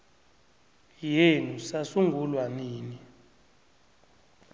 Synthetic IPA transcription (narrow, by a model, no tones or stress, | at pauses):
jenusasuŋɡulwaniːni